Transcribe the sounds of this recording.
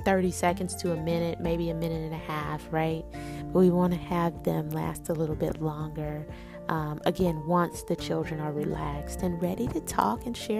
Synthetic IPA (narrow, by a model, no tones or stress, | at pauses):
θɜ˞ɾisɛkɨ̃n̩dz̥tʰɨəmɪ̃nɨt̚meɪbiɨmɪ̃nɨɾɨ̃nɨhæfɹaɪt̚b̥ʌt̚wiwɑ̃nɨɨvðɨ̃mlæ̰stəlɪɾl̩ˠbɪ̰tˡlɔ̃ŋɡə˞ | ʔʌ̃mʔɨɡɛ̃nwʌ̃nsðɨt͡ʃʰɪlˠdɹɨ̃nə˞ɹilækstɨ̃nɹɛɾiɾɨtʰɔ̰kɨ̃nʃɛ